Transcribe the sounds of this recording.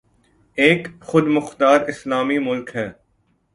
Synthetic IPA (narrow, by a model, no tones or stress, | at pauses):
eːkxʊd̪mʊxt̪aːɾɪslaːmimʊlkɦɛ̃ː